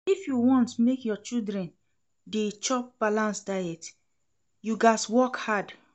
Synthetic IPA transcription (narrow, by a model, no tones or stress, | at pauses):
ifjuwɔ̃ntmekjɔt͡ʃildɹɛ̃n | det͡ʃɔp̚b̥alãnsdajɛt | juɡaswɔkhad